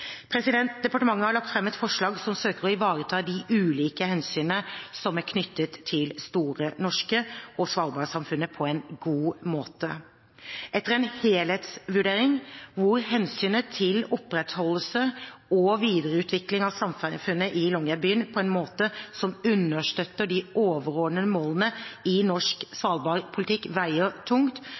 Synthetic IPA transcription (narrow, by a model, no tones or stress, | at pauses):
pʰɾɛsɪd̪ɛnt̪̚d̪ɛpɑʈəmɑŋːəhɑɾɭɑkt̪fɾɛmːɛt̪fɔʂɭɑːɡsɔmsøːkəɾɔɪʋɑːɾət̪ʰɑːd̪ɪʔʉːliːkəhɛnsyːnəsɔmæɾkʰnʏt̪ːət̪ʰːɪlst̪uːɾənɔʂkəɔsʋɑːɾbɑːɾəsɑmfʉnːəpʰɔɛnɡuːmoːt̪ə | ɛt̪ːəɾɛnheːlheːt̪sʋʉɖeːɾɪŋʋʊɾhɛnsyːnət̪ʰɪlɔpːɾɛt̪hɔlːəsəɔʋiːd̪əɾəʉːt̪ʰʋɪklɪŋɑʋsɑmffʉnːəʔɪlɔŋæbyːənpʰɔɛnmoːt̪əsɔmʉnːəʂt̪œt̪ːəɖɪoːʋəɾɔːɖ̪nəəmoːlənəɪnɔʂksʋɑːlbɑːɾpʰʊlɪt̪ʰɪkːʋæɪət̪ʰʊŋt̪